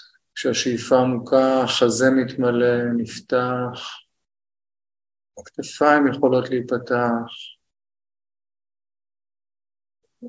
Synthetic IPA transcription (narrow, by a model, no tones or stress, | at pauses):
kʃeaʃijfamukaχaze̞mit̪male̞nift̪aχ | akt̪afaimjeχo̞lo̞tleit̚pat̪aχ